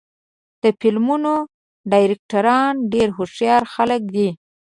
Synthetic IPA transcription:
d̪̥əfilmuno | ɖɑjɾɪk̚ʈaɾɑnɖeɾɦoʂjɑɾxalək̚d̪i

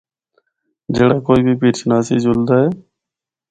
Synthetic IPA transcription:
d͡ʒeːɽaːkoːiːbʱiːpiːɾt͡ʃʰnaːsiːd͡ʒʊld̪aːɦeː

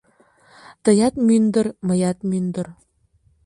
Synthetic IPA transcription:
t̪ɤ̆jɑt̪mynd̪ə̆ɾmɤ̆jɑt̪̚mynd̪ə̆r

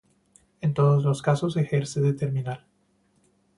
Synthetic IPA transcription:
e̞nt̪o̞ðozlo̞skaso̞se̞xe̞ɾse̞ðet̪e̞ɾmĩnal

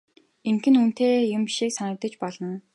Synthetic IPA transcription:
eŋkɘ̆nun̥t̪eːjʊmpiʃiːksanə̆rt̪ə̆t͡ɕpɔɮɞ̆n

